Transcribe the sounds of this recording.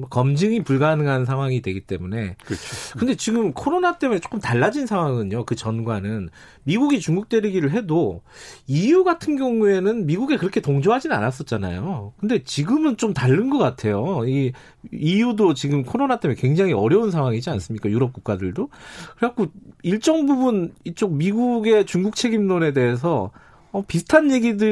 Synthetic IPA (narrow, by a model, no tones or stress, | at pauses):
mʌkʌmd͡ʑɯŋipuɭɡanɯŋɦansʰaŋɦwaŋidwe̞ɡit͈e̞mune̞kʰkɯnde̞t͡ɕiɡɯmkʰoɾonat͈e̞munet͡ɕ͈o̥k͈ɯmtaɭːad͡ʑinsʰaŋɦwaŋɯɲokɯt͡ɕʌnɡwanɯn | miɡuɡit͡ɕuŋɡuk̚t͈we̞ɾiɡiɾɯɭɦe̞do | ijuɡatʰɯnɡjʌŋue̞nɯnmiɡuɡe̞kɯɾʌkʰe̞toŋd͡ʑoɦad͡ʑinɯna̰nas͈ʌt̚t͡ɕ͈ana̰jokɯnde̞t͡ɕiɡɯmɯnt͡ɕomtaɭːɯnɡʌk͈atʰe̞joiː | judot͡ɕiɡɯmkʰoɾonat͈emekwe̞ŋd͡ʑaŋɦiʌɾjʌunsʰaŋwaŋid͡ʑians͈ɯmɲik͈ajuɾʌp̚k͈uk̚k͈adɯɭdokɯɾakʰoiɭt͡ɕ͈ʌŋbubunit͡ɕ͈ok̚miɡuɡe̞t͡ɕuŋɡuk̚t͡ɕʰe̞ɡimnone̞de̞es̬ʰʌ | ʌpisʰɯ̥tʰanje̞ɡidɯ